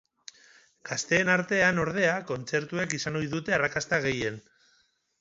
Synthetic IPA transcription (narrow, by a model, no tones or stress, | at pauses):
ɡ̥ast̪e̞ːnaɾt̪e̞ano̞ɾð̞e̞ako̞nt͡se̞ɾt̪ue̞kisano̞jðut̪e̞arakast̪aɣe̞je̞n